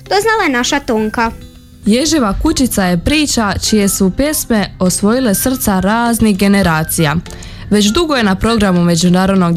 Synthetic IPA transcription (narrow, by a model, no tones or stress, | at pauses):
d̪̥oznalˠajenaʃat̪oːŋka | je̞ʒeʋakut͡ʃit̪saje̞pɾiːt͡ʃat͡ʃije̞supje̞smeo̞sʋo̞jilesr̩t̪saɾaːzniɣɡe̞ne̞ɾaːt̪sija | ʋe̞t͡ɕd̪uɡo̞je̞napɾo̞ɡɾamume̞d͡ʑunaːɾo̞d̪no̞ɡ